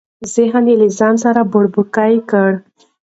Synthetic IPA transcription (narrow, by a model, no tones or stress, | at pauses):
zɪɦənilizɑnsaɾabʊɽbukajkəɽ